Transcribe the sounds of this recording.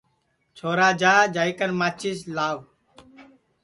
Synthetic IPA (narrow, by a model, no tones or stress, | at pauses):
t͡ʃʰoːɾaːd͡ʒaːd͡ʒaːikənmaːt͡ʃislaːʋ